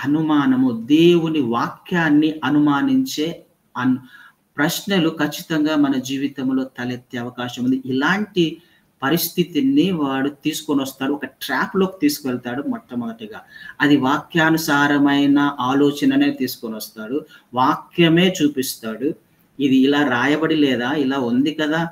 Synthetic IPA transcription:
ɐnumaːnɐmud̪e̞ːwuniʋaːkjaːnːiʔɐnumaːniɲt͡ʃe̞ː | ɐn | pɾɐʃnɐlukɐt͡ʃːi̥t̪ɐŋɡaːmɐnɐd͡ʒiːʋit̪ɐmlo̞ːt̪ɐlet̪ːeːɐʋɐkaːʃɐmund̪iilaːɳʈi | pɐɾist̪ʰit̪inːiʋaːɽut̪iːsu̥konʋɐst̪aːɽuɔkɐʈɾaːplo̞ːki̥t̪iːsu̥kuʋɛɭt̪aːɽumɔʈːɐmɐːʈɐɡaːɐd̪iʋaːkjaːnusaːɾɐmɐjnɐʔaːloːt͡ʃɐnɐneːt̪iːsu̥konʋɐst̪aːɽuʋaːkjɐme̞ːt͡ʃuːpist̪aːɽu | id̪iːlaːɾaːjɐbɐɽilɛːd̪aːilaːund̪ikɐd̪aː

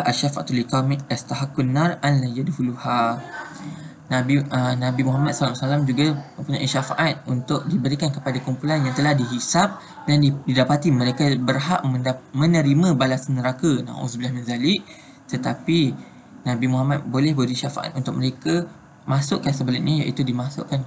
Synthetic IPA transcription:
ʔaʃafa̰ʔt̪ulikawmast̪aɦakːunːaranlajadhuluha | nabiənãbimuɦamat̪̚salasalamd͡ʒuɡamə̃mpuɲa̰ʔiʃafaʔat̪̚unt̪ʊk̚dibəɾikankəpadakumpulanjãŋt̪əlahdiɦisap̚ | dandididapat̪iməɾekabərɦaʔməmə̃nəɾimãbalasnəɾakana̰ʔṵsbəlahminzaliʔ | t̪ət̪api | nãbimuɦamat̪̚bolɛhbəɾiʃafa̰ʔa̰t̪̚unt̪ʊk̚məɾeka | mãsʊʔkansəbəlaʔɲãja̰ʔit̪udimãsʊ̰ʔkan

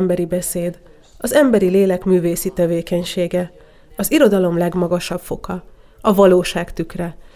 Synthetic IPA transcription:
mbɛɾibɛseːd̪ | ɒzɛmbɛɾileːlɛkmyːveːsit̪ɛveːkɛɲʃeːɡɛ | ɒziɾo̞d̪ɒlo̞mlɛɡmɒɡɒʃɒbfo̞kɒ | ɒvɒloːʃaːkt̪ykrɛ

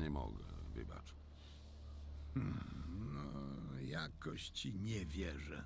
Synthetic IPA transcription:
ɲɛmɔ̰ɡɛvɘbat͡ʂ | nɔjakɔɕt͡ɕiɲɛvʲjɛʐɛ

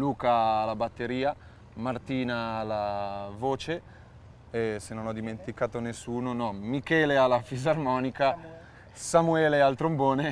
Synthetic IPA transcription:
luːkaːlːabat̪ːeɾiːa | mart̪iːnaːlːavoːt͡ʃe | ɛsenːonɔd̪iment̪ikaːt̪onesːuːnonɔmikɛːlealːafizarmɔːnika | samuɛːlealt̪ɾomboːne

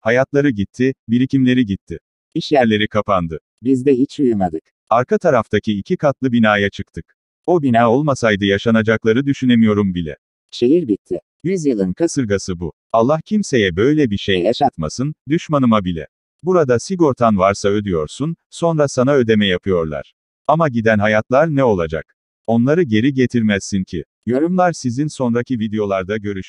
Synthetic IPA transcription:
hajat̪lˠaɾɯɟit̪ʰːibiɾicimlʲe̞ɾiɟit̪ʰːɪ | iʃjæɾlʲe̞ɾikʰapand̪ɯ | bizd̪ɛɦit͡ʃujumad̪ɯk | aɾkʰat̪ʰaɾaft̪ʰacʰiicʰikʰat̪lˠɯbinaːjat͡ʃʰɯkt̪ʰɯk | obinaːo̞lˠmasajd̪ɯjaʃanad͡ʒaklˠaɾɯd̪yʃynemijo̞ɾumbilʲɛ̰ | ʃeɦiɾbit̪ʰːɪ | jyzjɯlˠɯnkʰasɯɾɡasɯbu | alˠːahcʰimse̞jɛbø̞jlʲɛbiʃejaʃat̪masɯnd̪yʃmanɯmabilʲɛ̰ | buɾad̪asiɡo̞ɾt̪ʰanvaɾsaø̞d̪yjo̞ɾsun | so̞nɾasanaø̞d̪e̞mɛjapʰɯjo̞ɾlˠa̰ɾ̥ | amaɟid̪ænɦajat̪lˠaɾnɛo̞lˠad͡ʒa̰k | o̞nlˠaɾɯɟe̞ɾiɟet̪ʰiɾmæzːincʰi | joɾumlˠaɾsizinso̞nɾacʰivid̪ejo̞lˠaɾd̪aɟø̞ɾyʃ

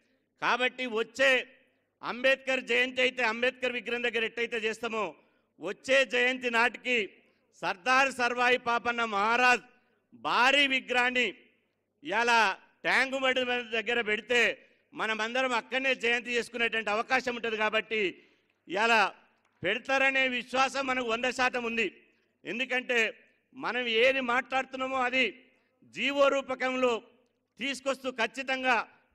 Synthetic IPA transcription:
kaːbɐʈːiʋot͡ʃːe̞ː | ɐ̰mbeːt̪̚kɐɾd͡ʒɐjɐnt̪̬ɐjit̪e̞ːɐmbeːt̪̚kɐɾʋiɡɾɐmd̪ɐɡːɐɾeʈːɐjit̪e̞ːt͡ʃɛːst̪aːmoː | ʋot͡ʃːe̞ːd͡ʒɐjɐnt̪̬inaːʈiki | sɐɾd̪aːɾsɐɾʋaːjipaːpɐnːɐmɐɦaːɾaːd͡ʒ | bʱaːɾiːʋiɡɾaːnːi | jaːlaː | ʈjaːŋɡubɐɽiɐd̪ɐɡːɐɾɐpeɽit̪e̞ː | mɐnɐmɐnd̪ɐɾɐmɐkːɐɾnːe̞ːd͡ʒɐjɐnt̪ɐt͡ʃe̞ːsu̥kunːɐʈuʋɐɳʈiɐʋɐkaːʃɐmuɳʈund̪ikaːbɐʈːi | jaːlaː | peɽut̪aːɾɐne̞ːʋiʃʋaːsɐmːɐnɐkuɔnd̪ɐʃaːt̪ɐmund̪i | e̞nd̪ukɐɳʈe̞ː | mɐnɐme̞ːd̪imaːʈlaːɽut̪unːaːmoːɐd̪i | d͡ʒiːʋo̞ːɾuːpɐkɐmlo̞ː | t̪iːsu̥kost̪uːkʰɐt͡ʃːit̪ɐŋɡaː

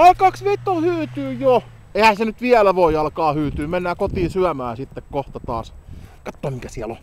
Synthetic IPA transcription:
ɑikɑːksʋet̪ːohyːt̪yːjo | ehæsenyt̪ʋiælæʋoˑiɑlkɑːhyːt̪yːmenːæːkot̪iːsyæmæːsit̪ːekkoht̪ɑt̪ɑ̰ːskɑt̪ːoɑmikæsiælo̰

